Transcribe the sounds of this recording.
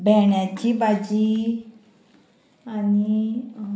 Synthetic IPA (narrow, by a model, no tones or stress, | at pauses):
bʱɛɳjat͡ɕibad͡ʑi | ani